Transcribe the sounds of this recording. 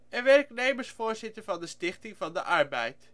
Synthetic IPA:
ənʋɛrknejməɹsfʊːɹzɪtəɹvɑndəstɪχtɪŋvɑndəʔɑɹbɛ̰jt

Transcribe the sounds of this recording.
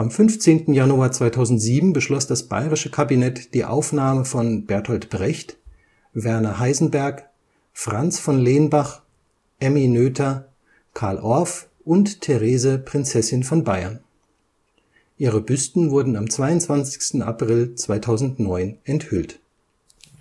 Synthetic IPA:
ʔamfʏnft͡seːntn̩januaɐt͡sv̥aɪtʰaʊzn̩tz̥iːbm̩bəʃlɔsd̥asb̥a̰ɪʁɪʃəkʰabinɛtd̥iːʔa̰ʊfnaːməfɔnb̥ɛɐthɔltb̥ʁɛçt | vɛɐnɐɦaɪzn̩bɛɐk | fʁ̥ant͡sfɔnleːnbaχ | ʔɛminøːtʰɐ | kʰaɐlʔɔɐf | ʔʊnttʰeʁeːzəpʁ̥ɪnt͡sɛsɪnfɔnbaɪɐ̰n | ʔiːʁəbʏstn̩vʊɐdn̩amt͡sv̥aɪʊnt͡sv̥ant͡sɪ̥çstn̩a̰pʁ̥ɪlt͡sv̥aɪtʰaʊzn̩tnɔʏnʔɛnthʏlt

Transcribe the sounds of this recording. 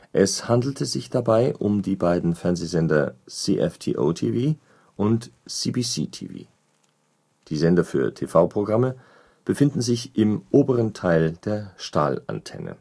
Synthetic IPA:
ʔɛshandl̩tʰəzɪçd̥abaɪʔʊmdiːbaɪdn̩fɛɐnzezɛndɐsiʔɛ̰ftʰḭːʔo̰tʰiːviː | ʔʊntsiːbiːsḭːtʰḭːvḭː | d̥iːzɛndɐfyːɐtʰeːfaʊpʁ̥oɡʁamə | b̥əfɪndn̩zɪçʔɪmʔoːbəʁəntʰaɪld̥eːɐʃta̰ːla̰ntʰɛ̰nə̰

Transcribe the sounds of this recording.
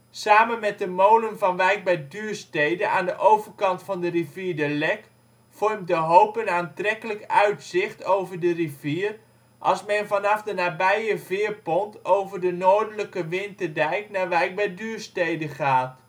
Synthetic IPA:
saːmənmɛt̚dəmowlənvɑnʋɛjk̚bɛdyːrstejdənʔaːndəʔowvərkɑntfɑndəriviəɹdəlɛk | fɔrmdəɦowpənaːntrɛkələkœɥtsɪχtowvərdəriviːər | ʔɑlˠsmɛnvɑnɑfdənaːbɛjəvɪːərpɔntowvərdənoːɹdələkəʋɪntədɛjknaːɹʋɛjk̚bɛjdyːrstejdəχaːt

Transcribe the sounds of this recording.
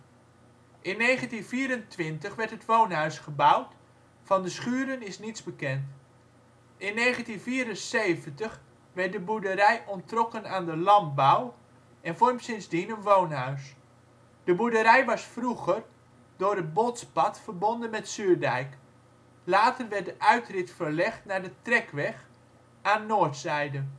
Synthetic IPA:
ʔɪnːejχəntinviːɾəntʋɪntəχʋɛɹtɦətʋownɦœɥsχəbʌwt | fɑndəsχyːɾənɪsnitzbəkɛnt | ɪnːejχəntinviːɾənsejvəntəχ | ʋɛɹt̚dəbuɹdəɾɛjʔɔntrɔkənaːndəlɑmbʌw | ɛnfɔɹmpsɪnzdinənʋownɦœɥs | d̥əbudəɾɛjʋɑsfruχər | dʊːɾəd̚botspɑtfəɹbɔndənmɛtsyːɹdɛjk | laːtərʋɛt̚dəʔœɥtrɪtfəɹlɛχtnaːɹdətrɛkʋɛχ | aːnːoːɹtsɛjdən

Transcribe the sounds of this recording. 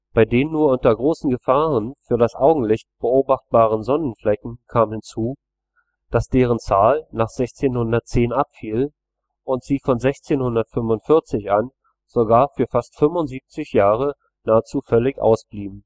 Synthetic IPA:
b̥aɪdeːnənːuːɐʊntɐɡʁoːsn̩ɡəfaːʁənfyːɐɾasʔaʊɡŋ̩lɪçt̚b̥əʔoːbaχt̚b̥aːʁ̞ənzɔnn̩flɛkŋ̩kʰaːmhɪnt͡suː | d̥asd̥eːʁ̞ənt͡saːlnaːχz̥ɛçt͡seːnhʊndɐtt͡seːnʔapfiːl | ʔʊntz̥iːfɔnzɛçt͡seːnhʊndɐtfʏmvʊntfɪɐt͡sɪçʔan | z̥oɡaːɐfyːɐfastfʏmvʊntz̥iːp̚t͡sɪçjaːʁ̞ə | naːət͡suːfœlɪçʔa̰ʊsb̥liːbm̩

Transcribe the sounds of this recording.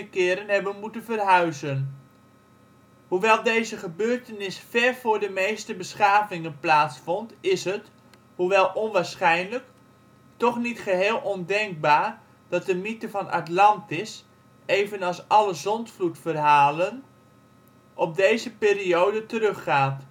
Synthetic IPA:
əkɪːɾənɦɛbənmutənvərɦœɥzən | huʋɛlˠdejzəχəbøːɹtənɪsfɛrvʊːɹdəmejstəbəsχaːvɪŋənplaːtsfɔntɪsɦət | huʋɛlˠɔnʋaːɹsχɛjnlək | tɔχnitχəɦeːlˠʔɔndɛŋk̚baːɹ | d̥ɑt̚dəmitəvɑnɑ̰tlɑntɪs | ejvənɑlˠsɑləzɔntflutfərɦaːlən | ʔɔb̚dejzəpɪːriowdətəɾɵχːaːt

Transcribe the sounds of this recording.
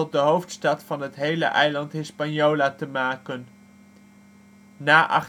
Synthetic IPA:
ɔt̚dəɦowftstɑtfɑnɦətɦejlə̰ʔɛjlɑntɦɪspɑnjoːlaːtəmaːkən | aːʔɑ̰χ

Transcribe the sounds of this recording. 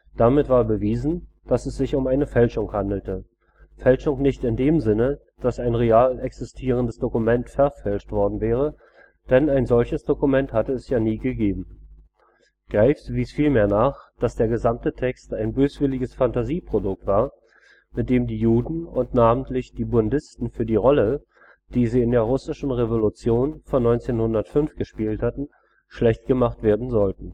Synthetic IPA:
d̥amɪtv̥aːɐbəviːzn̩ | d̥asɛsz̥ɪçʊmaɪnəfɛlʃʊŋhandl̩tə | fɛlʃʊŋnɪçtɪndeːmzɪnə | d̥asaɪnʁeaːlʔɛksɪstʰiːʁ̞əndəsd̥okumɛntfɛɐfɛlʃtv̥ɔɐdn̩vɛːʁ̞ə | d̥ɛnaɪnzɔlçəsd̥okumɛnthatəɛsjaːniːɡəɡeːbm̩ | ɡ̥ʁaɪftviːsfiːlmeːɐnaːχd̥asd̥eːɐɡəzamtətʰɛkstaɪnbøːsv̥ɪlɪɡəsfantaziːpʁ̥odʊk̚tv̥aːɐ | mɪt̚d̥eːmdiːjuːdn̩ʊntnaːmən̩tlɪçd̥iːbʊndɪstn̩fyːɐdiːʁɔlə | d̥iːziːɪndeːɐʁ̞ʊsɪʃn̩ʁevolʊt͡sjoːnfɔnːɔʏnt͡seːnhʊndɐtfʏnfɡ̥əʃpiːlthatn̩ | ʃlɛçtɡ̥əmaχtv̥eːɐdn̩zɔltn̩

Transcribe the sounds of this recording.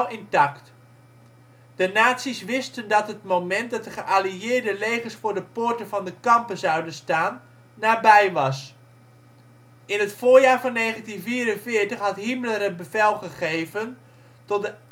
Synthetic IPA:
lɪntɑkt | d̥ənaːtsisʋɪstəndɑtɦətmowmɛnt̚dɑt̚dəχəʔaliɪːɹdəlejχəsfʊːɹdəpʊːɹtənvɑndəkɑmpəzɑwdənstaːnː | aːbɛjʋɑs | ɪnətfʊːɹjaːɹvɑnːeːχəntinviːɾənvɪːəɹtəχɦɑtɦimələrət̚bəvɛlˠχəχejvən | tɔt̚də

